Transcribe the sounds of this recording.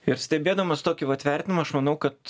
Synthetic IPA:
ɪɾsʲt̪ʲɛbʲeːd̪ɐmɐst̪oːkʲɪʋɐt̪ʲʋʲæˑɾʲt̪ʲɪnʲɪmɐɐʃmɐnɐʊkɐt̪

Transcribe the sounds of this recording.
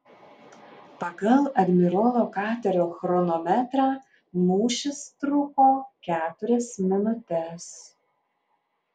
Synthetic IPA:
pɐɡɐlˠɐd̪ʲmʲɪɾolˠoːkɑːt̪ʲɛɾʲoːxɾɔnɔmʲɛt̪ɾɑː | nuːʃʲɪst̪ɾʊkoːkʲæːt̪ʊɾʲɛsmʲɪnʊt̪ʲɛs

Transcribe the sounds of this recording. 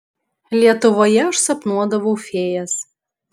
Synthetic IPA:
lʲiɛt̪ʊʋoːjɛʊʃsɐpnuɔd̪ɐʋofʲeːjɛs

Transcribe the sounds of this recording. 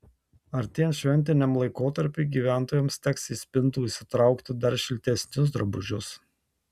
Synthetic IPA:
ɐɾt̪ʲiɛnʃʲʋʲɛnʲt̪ʲɪnʲɛmlˠɐɪkoːt̪ɐɾʲpʲiːɡʲiːʋʲæˑnt̪oːjɛmst̪ʲɛksisʲpʲɪnt̪uːɪsʲɪt̪ɾɐˑʊkt̪ʲɪd̪ɐɾʃʲɪlʲt̪ʲɛsʲnʲʊs̬d̪ɾɐbʊʒʲʊs

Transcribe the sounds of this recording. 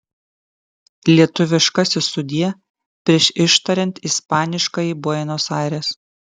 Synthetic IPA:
lʲiɛt̪ʊʋʲɪʃkɐsʲɪsʊd̪ʲiːɛ | pʲɾʲiɛʃɪʃt̪ɐɾʲɛnʲt̪ʲɪspɑːnʲɪʃkɑːjibuɔɛnoːsɑˑɪɾʲeːs

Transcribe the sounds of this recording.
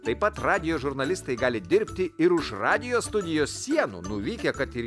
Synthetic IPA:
t̪ɐɪpɐt̪ɾɑːd̪ʲɪjoːʒʊɾnɐlʲɪst̪ɐɪɡɑːlʲɪd̪ʲɪɾʲpʲt̪ʲɪɪɾʊʃɾɑːd̪ʲɪjoːst̪ʊd̪ʲɪjoːssʲiɛnṵːnʊʋʲiːkʲɛkɐt̪ɪ

